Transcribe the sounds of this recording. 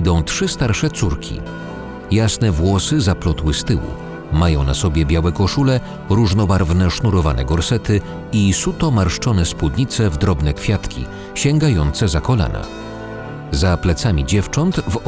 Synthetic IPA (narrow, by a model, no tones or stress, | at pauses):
d̪ɔ̃w̃tʂɘst̪aɾʂɛt̪suɾkʲʰḭ | jasnɛvwɔsɘzaplɔt̪wɘst̪ɘwṵ | majɔ̃w̃na̰sɔbʲjɛbʲjawɛkɔʂulɛ | ɾuʐnɔbaɾvnɛʂnuɾɔvanɛ̰ɡɔɾsɛt̪ɘ | isut̪ɔmaɾʂt͡ʂɔnɛspwud̪ɲit̪sɛvd̪ɾɔbnɛkfʲjat̪kʲḭ | ɕɛŋɡajɔnt̪sɛzakɔla̰na̰ | zaplɛt̪samʲid͡ʑɛft͡ʂɔnt̪v